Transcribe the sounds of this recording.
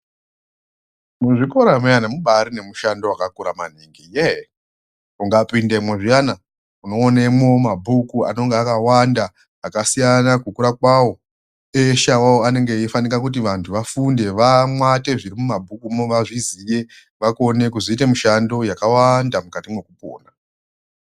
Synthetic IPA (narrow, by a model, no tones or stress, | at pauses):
muʐipoɾamujanamuɓaɾine̞muʃando̞wakakuɾama̰niŋɡije | uŋɡapindemweʐijana | uno̞ːnemwomabʱukua̰no̞ŋɡeakawandaː | kasijanakukuɾakwawo̞ | eʃawawoane̞ŋɡe̞ifanikakut̬iʋantʰuʋafunde̞ʋamwate̞ʐiɾimumabʱukumoʋaʐizije̞ | ʋako̞ne̞kuziite̞miʃando̞jakawandamukatimwe̞kupo̰ːna